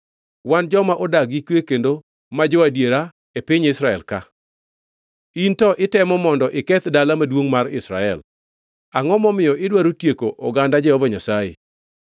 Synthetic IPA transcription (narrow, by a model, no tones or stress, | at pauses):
wand͡ʒɔmaʔɔdaɡikwekendo | mad͡ʒɔwadjeɾa | epiɲɪsɾaɛlka | intɔʔɪtɛmɔmɔndɔʔɪkɛt̪dalamadwoŋmarɪsɾaɛ̰l | aŋɔmɔmɪjɔʔɪdwaɾotjekoʔɔɡandad͡ʒɛhɔvɔɲasajḛ